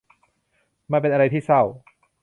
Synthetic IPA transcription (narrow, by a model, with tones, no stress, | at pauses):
maː˧p̬e˧nʔa˧ɾa˧jt̪ʰiː˥˩sa˥˩w